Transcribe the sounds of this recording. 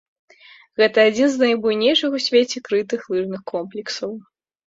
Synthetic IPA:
ɣɛt̪ɐad͡zʲinznɐjbujnʲejʂɨxusʲvʲet͡sʲɛkɾɨt̪ɨxlˠɨʐnɨxkɔmplʲɛksɐw

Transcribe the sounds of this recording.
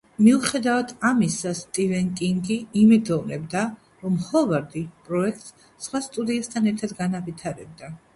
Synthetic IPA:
miuχɛd̪avad̪ʰamisast̪ʼivɛŋkʼiŋɡiimɛd̪ɔnɛbd̪a | ɾɔmhɔvaɾd̪ipʼɾɔɛk̚ʰt̪ʼs | sχwast̪ʼud̪iast̪ʰanɛɾt̪ʰad̪ɡanavit̪ʰaɾɛb̚d̪a

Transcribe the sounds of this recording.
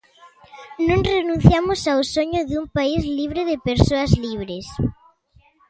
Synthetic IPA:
nũŋrenũn̟θjamosawsoɲʊðumpaizliβ̞ɾeðepeɾsoazliβ̞ɾes

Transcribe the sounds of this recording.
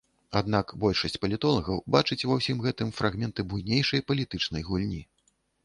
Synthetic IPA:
ad̪nakbɔlʲʂɐsʲt͡sʲpɐlʲit̪ɔlˠɐɣɐwbat͡ʂɨt͡sʲvawsʲimɣɛt̪ɨmfɾaɣmʲɛnt̪ɨbujnʲejʂɐjpɐlʲit̪ɨt͡ʂnɐjɣulʲnʲi

